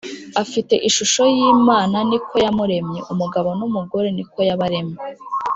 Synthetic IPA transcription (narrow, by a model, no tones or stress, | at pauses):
afite̞ʔiʃuʃo̞jiːmaːnanikʰo̞jamuɾe̞mɲe̞ʔumuɡaβo̞numuɡo̞ɾe̞niko̞jaβaɾe̞mɲe